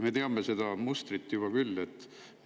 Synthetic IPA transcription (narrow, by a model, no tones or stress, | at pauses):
me̞t̪eɑmese̞d̪̥ɑmust̪rit̪ːˑjub̥ɑkylːet̪ː